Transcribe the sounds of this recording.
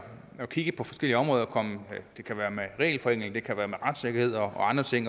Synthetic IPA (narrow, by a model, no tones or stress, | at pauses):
ɒ̽kʰiɡ̥əpʰɒ̽fɒ̽sɡ̥el̰iəɒmʁɔːðˠɐkʰɒ̽məd̥e̝kʰæʋæːɐmeʁɛ̰ːlfɒ̽eŋ̰l̩d̥e̝kʰæʋæːɐmeʁɑ̈d̥seɡ̥ɐhe̝ð̰ˠɒ̽ɒ̽ɑ̈nd̥ʁɐt͡sʰe̝ŋ̰